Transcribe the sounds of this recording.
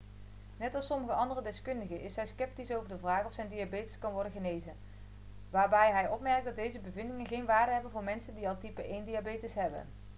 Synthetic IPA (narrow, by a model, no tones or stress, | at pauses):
nɛtɑlˠsɔməɣəɑndərədɛskɵndəɣəʔɪsɦɛjskɛp̚tisowvəɹdəvraːχɔfsɛjndiabejtəskɑnʋɔɹdənɣənejzən | ʋaːɹbɛjɦɛjʔɔpmɛrk̚dɑt̚dejzəbəvɪndɪŋənɣejnʋaːɹdəɦɛbənvʊːɹmɛnsəndiɑlˠtipəʔejndiabejtəsɦɛbə̰n